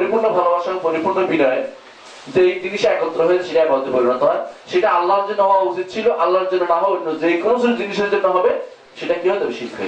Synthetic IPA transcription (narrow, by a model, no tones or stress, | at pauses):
ɾipuɾnobʱalobaʃaŋpoɾipuɾnobinɔe | d͡ʑejd͡ʑiniʃeɛkɔt̪ːɾoɦoeeʃeʈaɛbaot̪epoɾbenat̪ɔɾaʃeʈaalːaɾd͡ʑenɔaut͡ɕit̪̚t͡ɕʰiloʔalːaɾɾd͡ʑonːonaɦɔnod͡ʑejkonosʰilod͡ʑiniʃeɾd͡ʑonːoɦɔbe | ʃeʈakiɦɔet̪ɔbeʃilʰɔ̰